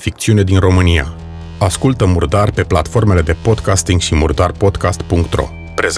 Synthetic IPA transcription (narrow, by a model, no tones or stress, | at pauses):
fik̚t̪siune̞d̪inro̞mɨnia̰ | askult̪əmurd̪arpe̞plat̪fo̞rme̞le̞d̪e̞po̞d̪kast̪iŋɡʃimurd̪arpo̞d̪kast̪puŋkt̪ro̞̰ | pɾez